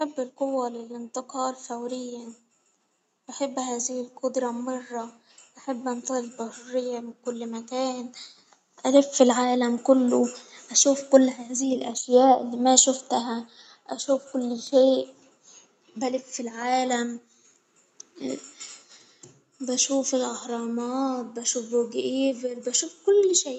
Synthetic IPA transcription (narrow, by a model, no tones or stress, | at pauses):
ʔaħabːɪlqʊwːalɪlʔɪnt̪ɪqɑːlfawɾɪjːa | baħabːhaːzɪhɪlqʊd̪ɾˤɑmʊbɑrˤːɑ | ʔaħabːʔant̪ˤɑlbahʊrːɪjːamɪnkʊlːmakaːn | ʔalɪffilʕaːlamkʊlːʊʔaʃuːfkʊlːɦaːzɪhɪlʔa̰ʃjaːʔlːiːmæʃʊft̪ɦæ | ʔæʃuːfkʊlːʃeːʔ | bælɪffilʕaːlæm | bæʃuːfɪlʔɑhɾˤɑːmɑːt̪̚bæʃuːfɡʔiːbɪɾbæʃuːfkʊlːʃeːʔ